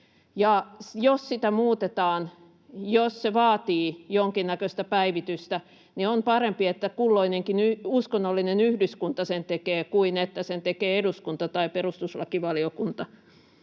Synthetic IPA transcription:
jɑjossit̪æmuːt̪et̪ɑːn | josseʋɑːt̪iːjoŋkinnːækøst̪æpæiʋit̪yst̪æ | niompɑrempiet̪ːækulːoineŋkinyuskonːolːinenyhdyskunt̪ɑsent̪ekeːkuinet̪ːæsent̪ekeːeduskunt̪ɑt̪ɑiperust̪uslɑ̰kiʋɑliokunt̪ɑ

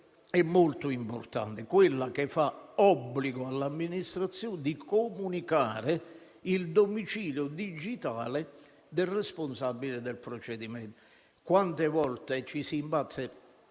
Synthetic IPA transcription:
ɛmːolt̪ʊimpo̰rt̪a̰nt̪ɪkwɪlːakefːaɔbːliɡʊalːamːinist̪ɾat̪sːjoːnd̪ikomunikaːɾɪ | ild̪omit͡ʃiːljʊd̪id͡ʒit̪aːlɪ | d̪ɪlrɛsponsabːilɪd̪elpɾot͡ʃɛd̪imɛn | kwant̪evɔlt̪et͡ʃisiːmpat̪ːe

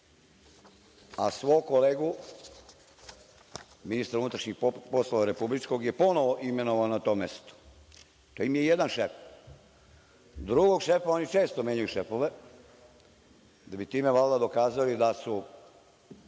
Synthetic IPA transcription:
asʋojkoleːɡu | minist̪aɾunut̪ɾaʃɲixposlˠoʋaɾe̞publit͡ʃko̞ɡjepo̞noʋoʔimenoʋanat̪o̞ːmest̪o̥ | t̪oimijejed̪anʃef | d̪ɾuɡo̞ɡʃe̞fao̞nit͡ʃe̞ːst̪omʲjeɲujuʃefoʋe | d̪abit̪iːmeʋald̪ad̪o̞kaːzalid̪asu

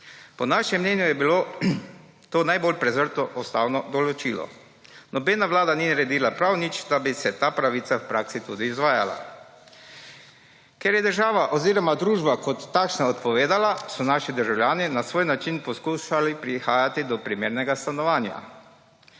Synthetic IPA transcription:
pɔnaːʃɛmːnɛːnjujɛbilo | t̪oːnajbolpɾɛzəɾt̪ɔʔɔst̪aːwnɔd̪ɔlɔt͡ʃilɔ̰ | nɔbeːnaʋlaːd̪aninaɾɛd̪iːlapɾawnit͡ʃd̪abisɛt̪aːpɾaʋit̪awpɾaːksit̪uːd̪iːzʋaːjala̰ | kɛɾjɛd̪əɾʒaːʋaʔɔziːɾɔmad̪ɾuːʒbakɔt̪ːaːkʃnaɔt̪pɔʋeːd̪alasɔnaːʃid̪əɾʒawljaːninasʋoːjnat͡ʃinpɔskuːʃalipɾixaːjat̪id̪ɔpɾimeːɾnɛɡast̪anɔʋaːnja̰

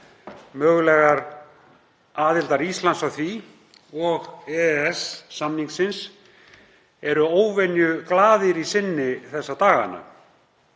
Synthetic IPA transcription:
mœːɣʏlɛːɣaɾ | aːðɪlt̪aɾist̪lansawθvi | ɔɣɛɛsːamniŋksɪns | ɛɾʏoːwvɛnjʏklaːðɪɾisɪnːɪθɛsːat̪aːɣa̰nːa̰

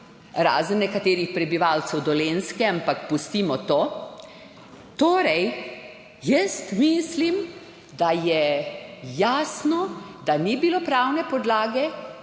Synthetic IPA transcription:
ɾa̰ːzənːɛkat̪eːɾixpɾɛbiʋaːlsɛwd̪ɔleːnskɛampakpust̪imɔt̪oː | t̪oːɾɛj | jəst̪mislim | d̪ajɛ | jaːsnɔd̪anibilopɾaːwnɛpɔd̪laːɡɛ

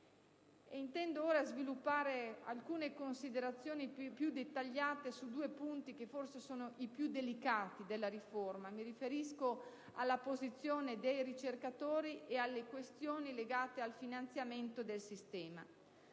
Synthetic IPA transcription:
eint̪ɛnd̪ooːɾazvilupːaːɾea̰lkuːnekonsid̪eɾat̪sːjoːnipjud̪et̪ːaʎːaːt̪esud̪uːepunt̪ik̟efːorsesoːnoʔipjud̪elikaːt̪id̪elːaɾiformamiɾifeɾisko | alːapozit̪sːjoːned̪ejɾit͡ʃerkat̪oːɾiʔealːekwest̪joːnileɡaːt̪ealfinant̪sjament̪od̪elsist̪ɛːma̰

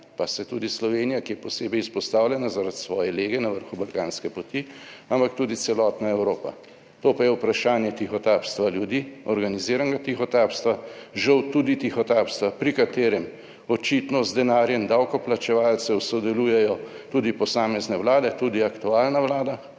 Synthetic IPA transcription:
pasɛt̪ud̪islɔʋenijakijɛpɔseːbɛjispɔst̪aːwlʲjɛnazaɾat̪sʋɔːjɛleːɡɛnaʋəɾxubalkaːnskɛpɔt̪iampakt̪uːd̪it̪sɛlɔt̪naɛwɾoːpa̰ | t̪opajɛwpɾaʃaːnjɛt̪ixɔt̪aːpst̪ʋaljud̪iɔɾɡaniziːɾaŋɡat̪ixɔt̪aːpst̪ʋaʒɐwt̪uːd̪it̪ixɔt̪apst̪ʋapɾikat̪eːɾɛm | ɔt͡ʃit̪nɔzd̪ɛnaːɾjɛmd̪awkɔplat͡ʃɛʋaːlt͡ssɛwsɔd̪ɛlujɛjɔ | t̪ud̪ipɔsaːmɛznɛwlaːd̪ɛt̪uːd̪iakt̪uaːlnaʋlaːd̪a

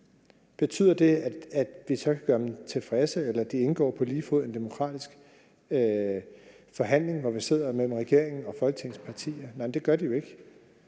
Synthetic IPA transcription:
b̥e̝t͡sʰy̰ð̰ˠɐd̥e̝æ̥æd̥ʋisɒ̽kʰæɡ̥ɶɐd̥emt͡sʰe̝lfʁɛsəelɐæd̥ie̝nɡ̥ɒ̰ːpʰɒ̽liːfoð̰ˠend̥e̝mo̝kʰʁɑ̰̈ːd̥isɡ̥ | fɒ̽ɦæn̰le̝ŋʋɒʋise̝ð̞̰ˠɐmel̰m̩ʁɛɡ̥e̝ɐ̰e̝ŋn̩ɒ̽fɒ̽lɡ̥ə̥t͡sʰe̝ŋspʰɑ̈t͡sʰḭːɐnɑɪnd̥e̝ɡ̥ɶɐd̥ijo̝e̝ɡ̥

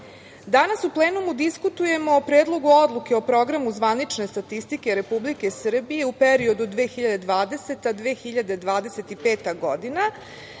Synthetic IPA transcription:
d̪anasuplˠeːnumud̪iskut̪uje̞moːpɾe̞ːd̪lˠo̞ɡuod̪lˠuke̞o̞pɾo̞ɡɾamuzʋanit͡ʃne̞st̪at̪ist̪ike̞ɾe̞publike̞sr̩bije̞upeɾio̞d̪ud̪ʋeːxiʎad̪e̞d̪ʋaːd̪e̞se̞t̪ad̪ʋeːxiʎad̪ed̪ʋaːd̪e̞se̞t̪ipe̞ːt̪aɡo̞d̪ina

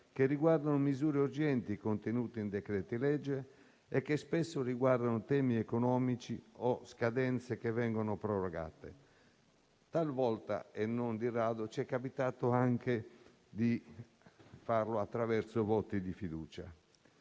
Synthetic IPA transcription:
kerːiɡward̪anomizuːɾeuɾd͡ʒɛnt̪ikont̪enuːt̪ind̪ɛkɾɛːt̪ilɛd͡ʒːeː | kːespɛsːoriɡward̪anot̪ɛːmiɛkonɔːmit͡ʃiɔskad̪ɛnt̪sekevɛŋɡɔnopɾɔrɔɡa̰ːt̪e | t̪alvɔlt̪a̰enːond̪irːaːd̪ot͡ʃɛkːapit̪aːt̪oaŋke | d̪i | farloat̪ːɾavɛɾt̪sovɔt̪ːid̪ifid̪uːt͡ʃa̰

